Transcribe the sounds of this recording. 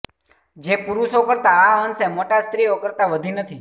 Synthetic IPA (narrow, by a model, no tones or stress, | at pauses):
d͡ʒepuɾuʃokəɾt̪aaɦənsemoʈast̪ɾiokəɾt̪aʋəd̪ʱinət̪ʰi